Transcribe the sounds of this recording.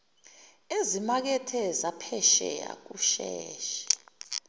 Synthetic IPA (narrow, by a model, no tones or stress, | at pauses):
ezimak̬ɛtʰɛzapʰɛʃɛ̰ja̰k̬uʃɛːʃɛ̥